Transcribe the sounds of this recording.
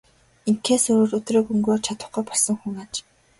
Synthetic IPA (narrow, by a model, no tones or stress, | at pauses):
iŋkʰeːsɵɾoːrɵt̪reːkɵŋɡoːt͡ɕʰat̪ə̥̆χɡujpɔɮsə̆ŋxuŋaːt͡ɕ